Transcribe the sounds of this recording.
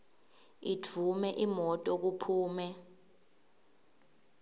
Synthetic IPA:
itʰumɛʔimɔtʼɔk̬upʰuːmɛ

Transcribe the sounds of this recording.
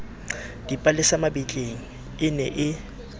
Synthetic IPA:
d̥ipʼalɪsamabit͡ɬʼeŋ̩ | ɪnɛ̰ʔɪ

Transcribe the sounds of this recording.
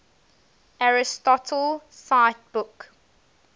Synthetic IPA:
aɹɪstɔtʰəlsaɪt̚b̥ʊk

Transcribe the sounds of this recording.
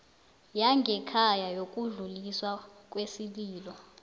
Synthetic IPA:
jaŋɡʱɛkʰajajok̬ʼuɮuliswak̬ʼwesiɓiːlɔ

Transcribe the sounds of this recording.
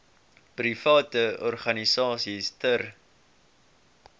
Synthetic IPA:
prifɑːtəɔrχɐnisɑːsistər

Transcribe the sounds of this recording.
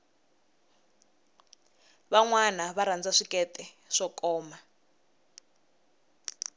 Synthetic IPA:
βaŋwanaβaɾand͡zaʂikɛtʼɛ | ʂɔkʼɔːma

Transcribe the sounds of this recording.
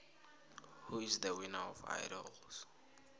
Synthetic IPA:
huisðəwinaɔfa̰jɾɔls

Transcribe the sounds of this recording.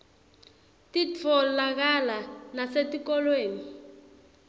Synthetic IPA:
tit͡fʰɔlak̬alanasetik̬ɔlweːni

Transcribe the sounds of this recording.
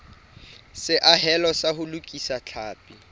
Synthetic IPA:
sɪʔaɦɛlɔsahʊlʊkʼisat͡ɬʰaːpʼi

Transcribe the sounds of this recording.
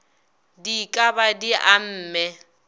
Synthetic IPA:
dikʼabadiʔam̩ːmɛ

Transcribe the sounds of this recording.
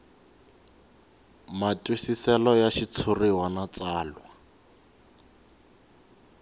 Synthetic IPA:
matʼusisɛlɔjaʃit͡sʰuriwanat͡saːlwa

